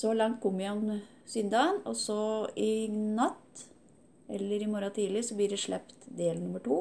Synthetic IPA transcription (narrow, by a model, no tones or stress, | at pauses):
sɔlɑŋt̪̚kʰʊmɪɑn | sʏnd̪ɑnɔsɔɪnɑt̪ː | ʔɛlːəɾɪmɔɾɑt̪ʰiːlɪsɔblɪɖɛʂɭɛpt̪d̪eːlnʊmːəʈuː